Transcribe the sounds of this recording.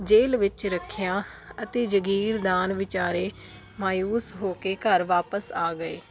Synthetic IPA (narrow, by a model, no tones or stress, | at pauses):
d͡ʒeːlʋɪt͡ʃɾəkʰːjãːət̪eːd͡ʒəɡiːɾd̪aːnʋɪt͡ʃaːɾeː | maːjuːsɦoːkeːkəɾʋaːpəsaːɡəḛː